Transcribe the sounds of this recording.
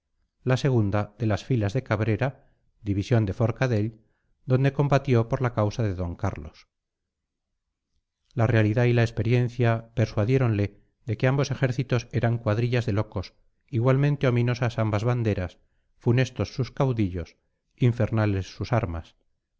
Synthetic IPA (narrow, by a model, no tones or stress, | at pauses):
lase̞ɣ̞und̪aðe̞lasfilazðe̞kaβɾe̞ɾa | d̪iβisjo̞nd̪e̞fo̞ɾkaðe̞l | d̪o̞nd̪e̞ko̞mbat̪jo̞po̞ɾlakawsaðe̞ðo̞ŋkaɾlo̞̰s | lare̞aliðailaespe̞ɾje̞n̟θjape̞ɾswaðje̞ɾo̞nle̞ | ðe̞keambo̞se̞xe̞ɾθit̪o̞se̞ɾaŋkwaðɾiʎazðe̞lo̞ko̞s | iɣwalmẽ̞nt̪e̞o̞mĩno̞sasambazβand̪e̞ɾas | fune̞st̪o̞sːuskawðiʎo̞s | iɱfe̞ɾnale̞sːusaɾma̰s